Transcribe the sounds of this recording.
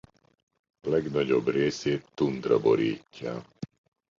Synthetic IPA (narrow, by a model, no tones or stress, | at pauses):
lɛɡnɒɟo̞breːseːt̪ːunt̪rɒ̰bo̞̰ɾḭːcːa̰ː